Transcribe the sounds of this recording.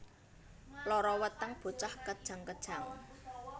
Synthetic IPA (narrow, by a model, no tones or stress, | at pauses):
lɔɾɔwət̪əŋb̥o̤t͡ʃahkəd̥ʒ̥a̤ŋkəd̥ʒ̥a̤ŋ